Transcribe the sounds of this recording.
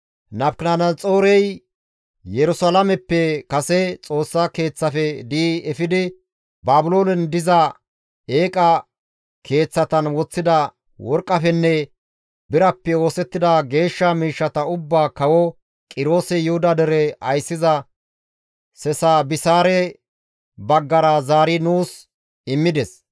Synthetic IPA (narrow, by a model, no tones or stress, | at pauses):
nɐpknanɐnt͡sʼo̞ːɾɛj | jɛɾʊsaːlɐmɛpːɛkɐsɛt͡sʼo̞ːsːake̞ːt͡sːɐfɛd̪iːɛfɪd̪ɪ | baːbʊlo̞ːnɛnd̪ɪzɐ | eːkʼɐ | kʰe̞ːt͡sːɐt̪ɐnwɔt͡sːɪd̪ɐ | wɔɾkʼːɐfɛnːɛ | bɪɾɐpːɛo̞ːsɛt̪ːɪd̪ɐɡe̞ːʃːɐmiːʃːɐt̪ɐʊbːaːkɐwɔ | kʼɪɾo̞ːsɛjʊhʊd̪ɐd̪ɛɾɛɐjsːɪzɐ | sɛsaːbɪsaːɾɛ | bɐɡːɐɾɐzaːɾɪnuːs | ɪmːɪd̪ɛs